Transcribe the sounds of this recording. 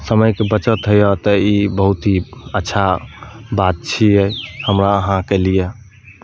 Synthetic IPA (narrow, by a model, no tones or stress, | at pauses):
səməjkebət͡ʃət̪ɦəjɔt̪əibəɦut̪iətːʃʰabat̪̚t͡ʃʰiɛhəmɾaəɦãkɛlije